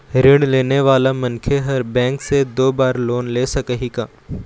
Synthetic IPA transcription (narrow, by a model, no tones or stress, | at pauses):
ɾɪɳɖleːneʋaːlamɐnkʰeɦɐɾbɛ̃ːŋksed̪oːbaːɾloːnleːsɐkəɦikãː